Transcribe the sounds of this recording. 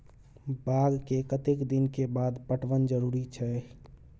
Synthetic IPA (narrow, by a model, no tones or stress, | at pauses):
baːɡkekət̪ekd̪ɪnkebaːd̪pəʈʰʋənd͡ʒəɾuːɾit͡ʃʰɛ